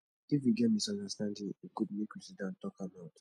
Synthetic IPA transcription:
if̬juɡɛt̚misɔ̃ndastãndĩŋiɡudmekjusidãntɔkabaʊt

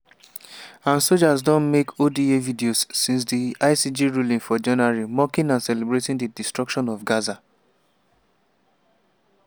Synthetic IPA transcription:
ãnsod͡ʒazdɔ̃nmekʰodievidiosːĩns̬diaɪsid͡ʒiɹulĩŋfɔd͡ʒɔnaɹimɔkĩnãnsɛlebɹetĩndidistɹɔkʃɔ̃nɔfɡaza

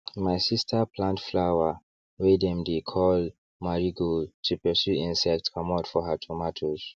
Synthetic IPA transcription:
majsistʰəpʰlãntflawə | wedɛ̃mdekʰɔl | maɹiɡotʰupəsjuĩnsɛk̚tkʰɔmatfɔhətʰɔmatʰoz̥

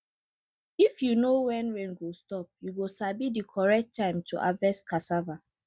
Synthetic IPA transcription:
ifjunowɛ̃nɹẽnɡostɔp̚juɡosabidikʰɔɹɛk̚tʰːãɪ̃mtʰuʔa̰vɛskʰasava

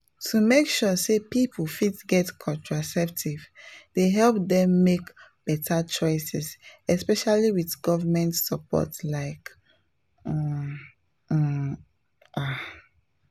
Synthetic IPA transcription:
tʰumekʃusepipfitɡɛtkʰɔ̃ntɹasɛp̚tʰivdeɦɛlp̚dɛ̃mːekb̥ɛtʰat͡ʃɔɪsɛsɛspɛʃaliwidɡɔvamɛ̃ntsəpɔ̰tlaɪk | a

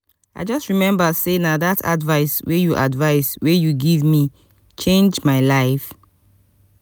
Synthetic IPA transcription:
aɪd͡ʒɔstɹimɛ̃mbasenadatʰa̰dvaɪswejuʔadvaɪswejuɡivmi | t͡ʃẽnd͡ʒmaɪlaɪf

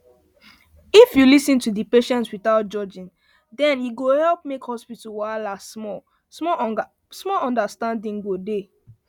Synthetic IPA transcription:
ifjulisĩntudipeʃɛ̃ntswiθaʊt̚d͡ʒɔd͡ʒĩn | dɛ̃njiɡohɛlp̚mekhɔspitulwaɪlasmɔl | smɔ | smɔlɔ̃ndastãndĩŋɡode

